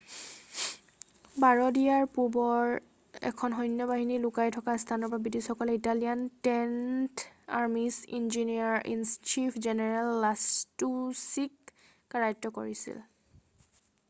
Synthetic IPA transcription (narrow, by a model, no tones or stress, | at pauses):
baɹɔdijaɹpubɔɹ | ɛ̰kʰɔnɦɔjnjɔbaɦinilʊkajtʰɔkastʰanɔpabidisxɔkɔlɛitalijantɛntaɹmisḭnziniaɹḭnst͡ʃipʰzɛnɛɹalːastusikː | aɹajtːɔkoɹisḭl